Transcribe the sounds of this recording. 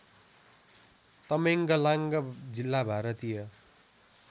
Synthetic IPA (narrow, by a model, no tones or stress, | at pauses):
t̪ʌmeŋɡʌlaŋɡʌd͡zilːabʱaɾʌt̪ijʌ